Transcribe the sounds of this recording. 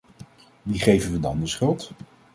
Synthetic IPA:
ʋiχejvənʋədɑndɪsχɪlˠt

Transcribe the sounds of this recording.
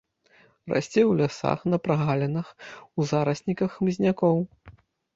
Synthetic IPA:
ra̰sʲt͡sʲɛwlʲasa̰xnɐpɾaɣalʲɛnɨxuzaɾɐsʲnʲikɐxmzʲnʲakɔw

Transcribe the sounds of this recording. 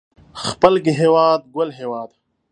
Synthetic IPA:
xpəlɡiɦeːwaːd̪̚ɡɐlɦeːwaːd̪

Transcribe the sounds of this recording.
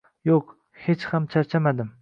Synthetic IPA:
joq | het͡ʃhamt͡ʃʰaɾt͡ʃʰamad̪ɪm

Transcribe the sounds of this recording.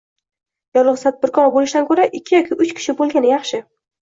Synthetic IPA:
jɒlˠɨʁst̪ʰad̪̚bɪɾkʰɒbolɪʃd̪ankʰɵɾaʔɪkʲːɪjɒkʲʰɪʔʊt͡ʃkʲʰɪ̥ʃɪbolˠɡʲanɪjɑχʃɪ

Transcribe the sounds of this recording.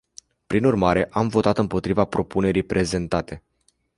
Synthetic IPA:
pɾinurmaɾe̞ʔamvo̞t̪at̪ɨmpo̞t̪ɾivapɾo̞pune̞ɾijpɾʔe̞ze̞nt̪at̪e̞

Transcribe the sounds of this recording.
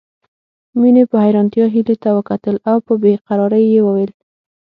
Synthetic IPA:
minepəhajɾɑnt̪jɑɦilet̪awəkat̪əlawpəbeqaɾɑɾəjːewəwel

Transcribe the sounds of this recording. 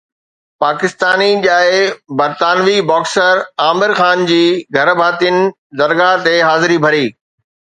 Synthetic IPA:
paːkɪst̪aːniʄaːɪbɐɾt̪aːnʋibɔːksəɾaːmɪɾxaːnd͡ʑiːɡʱɐɾbʱaːt̪ɪənɪ̆ | zɐɾɡat̪eɦaːzɪɾibʱɐɾiː

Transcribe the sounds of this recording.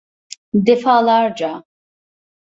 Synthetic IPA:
d̪ɛfaːlˠaɾd͡ʒa

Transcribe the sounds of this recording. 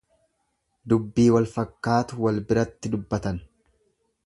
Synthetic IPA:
d̪ʊbːiːwɐlfɐkːaːt̪ʊwɐlbɪɾɐt̪ːɪd̪ʊbːɐt̪ɐn

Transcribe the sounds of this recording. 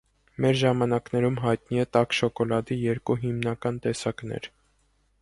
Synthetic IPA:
mɛɾʒɑmɑnɑknɛɾumɦɑjt̪niɛt̪ɑkʃɔkɔlɑd̪ijɛɾkuɦimnɑkɑnt̪ɛsɑknɛ̰ɾ

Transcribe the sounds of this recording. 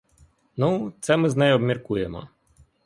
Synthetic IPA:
nut̪sɛmɪznɛjɔbmʲirkujemɔ̰

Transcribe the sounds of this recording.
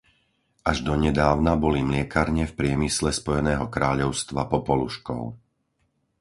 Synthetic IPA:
ʔaʒd̪ɔɲɛd̪aːʊnabɔlimlɪɛkaɾɲɛfpɾɪɛmislɛspɔjɛnɛːɦɔkɾaːʎɔʊst̪ʋapɔpɔluʃkɔ̰ʊ

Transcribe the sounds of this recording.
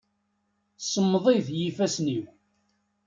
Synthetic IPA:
səmːðˤiðjifæsniw

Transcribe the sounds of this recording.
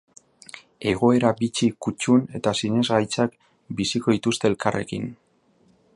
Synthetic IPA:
e̞ɣ̞o̞e̞ɾabit͡sikut͡ʃune̞t̪asine̞zɣajt͡sak | bisiko̞ðit̪ust̪e̞ːlkarʔe̞̰kḭn

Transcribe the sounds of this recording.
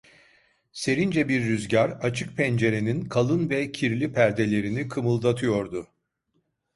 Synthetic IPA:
se̞ɾind͡ʒɛbiɾːyzɟaɾat͡ʃʰɯk̚pʰɛnd͡ʒe̞ɾe̞ninkʰalˠɯnvɛcʰiɾlʲipʰæɾd̪e̞lʲe̞ɾinikʰɯmɯlˠd̪at̪ʰɯjo̞ɾd̪ʊ

